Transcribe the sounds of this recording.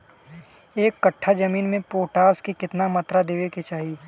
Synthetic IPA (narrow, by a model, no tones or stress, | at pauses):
eːkːɐʈʰːad͡ʒɐmiːnmẽpoːʈaːskikɪt̪namɐt̪ɾad̪eːʋeket͡ʃaːɦi